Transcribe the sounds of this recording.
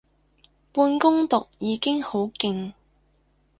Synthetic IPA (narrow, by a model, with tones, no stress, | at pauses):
puː˧nkʊ˥ŋt̪ʊ˨k̚jiː˨˧kɪ˥ŋho˨˥wkɪ˧ŋ